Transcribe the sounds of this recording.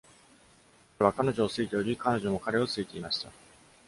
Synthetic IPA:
βakano̞ʑo̞ːsɨit̪eoɾʲikano̞ʑo̞mo̞kaɾe̞o̞t͡sɨit̪e̞imaɕi̥t̪a

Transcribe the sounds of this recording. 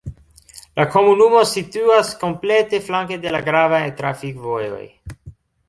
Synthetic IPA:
lako̞munumo̞situasko̞mple̞te̞flaŋk̬ede̞laɡɾavajtɾafikvo̞jo̞̰j

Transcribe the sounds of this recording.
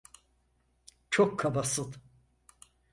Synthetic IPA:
t͡ʃʰokʰːabasɯlˠ

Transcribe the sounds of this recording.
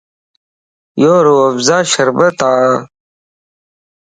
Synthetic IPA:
joːɾuɐfzaːɕɐɾbɐt̪aː

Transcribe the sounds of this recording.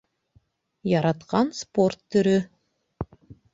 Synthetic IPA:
jɑɾɑt̪qɑnsport̪ːɵ̆ɾɵ

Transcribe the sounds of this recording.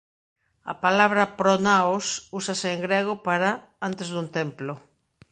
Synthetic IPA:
ɐ̰palaβɾɐpɾonaosusaseːŋɡɾeɣ̞opaɾa | ant̪ezðunt̪emplʊ

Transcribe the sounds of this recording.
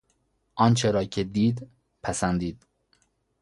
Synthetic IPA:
ʔɒːnt͡ʃʰeɾɒːcʰed̪iːd̪ | pʰæsænd̪iːd̪̥

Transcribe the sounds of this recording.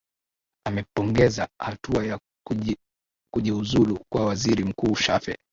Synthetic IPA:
amɛpɔŋɡɛzahatuaja | kuʄiuzulukwawaziɾim̩kuːʃafɛ̰

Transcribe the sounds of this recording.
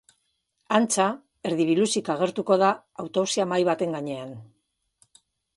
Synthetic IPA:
ant͡sa | e̞ɾðiβ̞ilusikaɣ̞e̞ɾt̪uko̞ð̞aː | wt̪oβsiamajβat̪e̞ŋɡaɲe̞an

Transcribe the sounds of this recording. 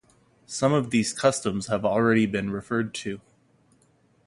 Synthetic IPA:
sʌ̃mʌvðiz̥kʰʌstə̃mz̥əvl̩ˠɹɛɾibɨ̃nɹɨfɜ˞d̚tʰʉ

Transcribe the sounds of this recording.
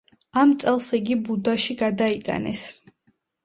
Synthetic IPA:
amt̪sʼɛlˠsiɡibud̪aʃiɡad̪ait̪ʼa̰nɛ̰s

